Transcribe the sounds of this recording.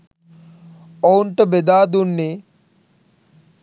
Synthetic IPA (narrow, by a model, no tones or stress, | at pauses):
owɳʈɐbed̪aːd̪unːe